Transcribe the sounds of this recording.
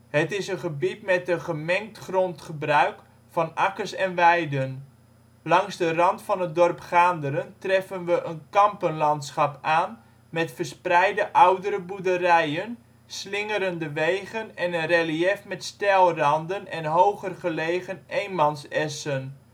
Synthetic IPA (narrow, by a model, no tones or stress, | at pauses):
ɦətɪsənχəbitmɛtəχəmɛŋk̚tχrontχəbrœɥk | fɑnakəsɛnʋɛjdən | lɑŋzdərɑntfɑnɦət̚dɔrpχaːndəɾəntrɛfənʋəʔənkɑmpənlɑntsχɑpaːn | mɛtfərsprɛjdəʔawdəɾəbudərɛjən | slɪŋəɾəndəʋejχənɛnənreliɛfmɛtstɛlˠrɑndənɛnɦowχərχəlejχənʔejnmɑnsɛsən